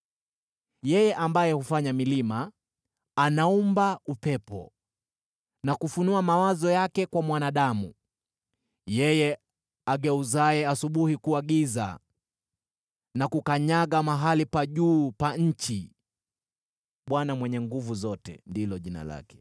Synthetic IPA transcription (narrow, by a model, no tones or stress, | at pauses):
jɛjɛʔambajɛhufaɲamilimaː | naumbaupɛpɔ̰ | nakufunuamawazɔjakɛkwamwanaɗamṵ | jɛjɛ | aɡɛuzaɛasuɓuhikuaɠiza̰ | nakukaɲaɠamaɦalipaʄuːpaɲ̩t͡ʃi | ɓwanamwɛɲɛŋɡuvuzɔtɛ̰ndilɔʄina̰la̰kɛ̥